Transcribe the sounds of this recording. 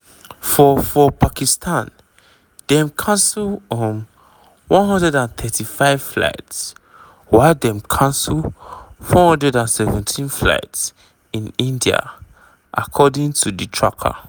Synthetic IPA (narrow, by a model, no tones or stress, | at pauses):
fɔfɔpʰakistʰãn | d̥ɛ̃mkʰãnslɔm | wɔ̃nɦɔ̃ndɹɛdãnθʰɛtʰifaɪv̥fla̰ɪts | waɪldɛ̃mkʰãnsəlfɔhɔ̃ndɹɛdãnsɛvɛ̃ntʰĩnfla̰ɪts | ĩnĩndia̰ | ʔa̰kʰɔdĩŋtʰuditʰɹa̰kʰa̰